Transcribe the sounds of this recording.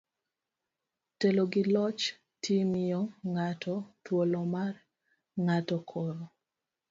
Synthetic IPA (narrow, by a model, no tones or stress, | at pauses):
teloɡɪlɔt͡ʃ | tʰimijɔŋatʰɔtwolɔmar | ŋatɔkʰɔɾɔ